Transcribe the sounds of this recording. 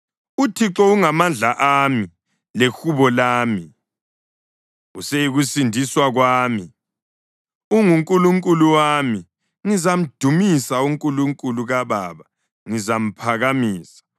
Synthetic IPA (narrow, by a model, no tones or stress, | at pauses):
utʰiǁɔuŋamand͡ɮʱaʔami | lexuβɔlaːmi | usejiɣusindʱiswaɣwaːmi | uŋuŋkʼuluŋkʼuluwaːmi | ŋizam̩d̥ʱumisauŋkʼuluŋkʼuluɣaβa̰ːβa | ŋizam̩pʰaɣamiːsḁ